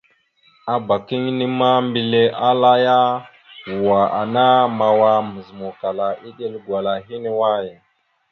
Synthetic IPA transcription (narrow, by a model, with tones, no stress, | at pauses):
a˨ba˨ki˦ŋni˦ma˦mbi˨le˦ʔa˦la˦ja˦ | wu˨wa˨ʔa̰˨na˦ma˨wa˦mə˨zmu˨ka˨la˨ʔi˦ɗe˦lɡwa˨la˨ɦi˦ne˦wa˦je˨